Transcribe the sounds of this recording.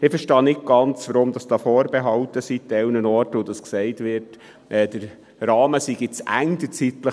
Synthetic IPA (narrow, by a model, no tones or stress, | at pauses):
ɪfəɾʃtɑːnɪt̚ɡ̥ɑnt͡sʋɔɾomd̥ɑsd̥ɑːfoːɾbɛɦɑltəsit̚d̥ɛlnənɔɾtod̥ɑsksɛɪtʋɪɾt | ʔɛːd̥əɾ | rɑːməsiɡɪt͡sæ̰ŋdət͡sitlə